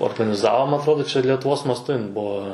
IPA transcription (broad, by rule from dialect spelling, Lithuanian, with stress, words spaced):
oːrɡɐnʲɪˈzɑːʋoː mɐ ɐtˈroːdoː lʲɛtʊˈʋoːs mɐsˈtʊ ˈbuɔ